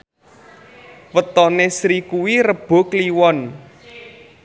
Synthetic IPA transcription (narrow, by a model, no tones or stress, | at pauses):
wət̪ɔnesɾikuwiɾəb̥o̤kliwɔn